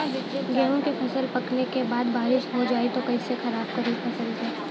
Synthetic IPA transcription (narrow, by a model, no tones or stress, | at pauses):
ɡɛːɦõkepʰɐsəlpɐknekebaːd̪baːɾɪʃɦod͡ʒaːit̪okɐisexɐɾaːb̚kɐɾiːbpʰɐsəld͡ʒɛː